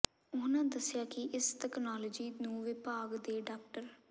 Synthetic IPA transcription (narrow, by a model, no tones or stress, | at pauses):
ʊnãːd̪əsɪjaːkɪʔɪsʈɛːknaːlɔːd͡ʒiːnũːʋɪpaːɡd̪eːɖaːk̚ʈəɾ